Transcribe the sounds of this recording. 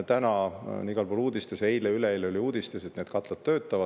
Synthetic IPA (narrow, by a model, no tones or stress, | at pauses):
t̪ænɑniɡ̥ɑlpoluːd̪ist̪ese̞jleyleejleyleuːd̪̥ist̪eset̪ned̪̥kɑt̪ˑlɑt̪̚t̪ːø̞ːt̪ːˑɑvɑ